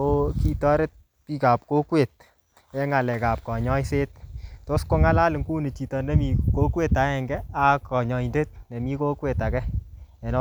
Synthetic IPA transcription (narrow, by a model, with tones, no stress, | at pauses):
o˦ki˦tɔ˦ɾe˦t̚ | pi˦ka˨p̚ko˦kwe˨t̚ | jɛ˦ŋa˨lɛ˨ka˨p̚kɔ˨ɲɔ˦jse˦t̚to˦sko˦ŋa˦la˦lɪ˨ŋku˦ne˨t͡ʃi˨tɔ˨nde˦mi˨ko˦kwe˨ta˨˦ɛ˨ŋɡɛ˦a˦kɔ˨ɲɔ˨i˨nde˦t̚ne˨mi˦ko˦kwe˨ta˨kɛ˦ɛ˨nɔ˦